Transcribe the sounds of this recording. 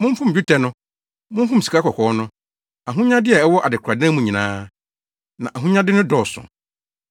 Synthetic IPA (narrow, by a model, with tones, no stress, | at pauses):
mʊ̃˦m˦fʊ̃˦m˨d͡ʑᶣu˦tʰɛ˨nʊ̃˦ | mʊ̃˦m̩˦fʊ̃˦m̩˨si̥˨kʰa˦kʰɔ˨kʰɔː˨˦nʊ̃˦ | a˨ɦũ˦ɲã˦dɪ˦ɛ˨ɛ˦wɔ˦ʔa˨dɪ˨kʰa˨dã˦mũ˨ɲĩ˨nãː˦ | nã˨ʔa˨ɦũ˦ɲã˦dɪ˦nʊ̃˦dɔ˨sʊ̰̃˨